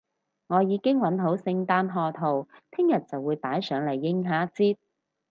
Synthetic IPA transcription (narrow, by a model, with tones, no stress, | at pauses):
ŋɔː˨˧jiː˨˧˥kɪ˥ŋwɐ˨˥nɦo˨˥wsɪ˧ŋt̪aː˧nɦɔː˧t̪ʰo˨˩wt̪ʰɪ˥ŋjɐ˨t̚t͡sɐ˨wːuː˨˧jpaː˨˥jsœː˨˧ŋlɐ˨˩jːɪ˧˥ŋɦaː˨˥t͡siː˥t̚